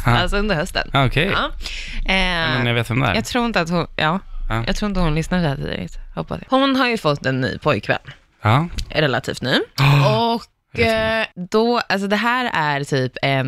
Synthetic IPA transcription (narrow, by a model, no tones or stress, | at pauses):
alsɔɵnd̪əɾhœst̪ə̰nɔkʰɛjɑːɛɛnjaveːt̪vɛmd̪æ̰ɾjɑɡt̪ʰɾuːɾɪnt̪əat̪hʊnjɑːjʔɑ̰t̪ʰɾuːɪnt̪ɔt̪hʊnlʏsnaɾʰd̪ɛhæːt̪ʰḭːd̪ə̰t̪hɔpːasd̪a̰hʊnɦaɾjɵfɔt̪ːɛnːy̰ːpʰɔjkʰːvɛ̰lː | ɑːɾɛla̰t̪ʰḭːft̪nʉ̟ːɔɔk | d̪ɔals̬ɔd̪ɛɦæːɾæɾt̪ʰyːpʰɛn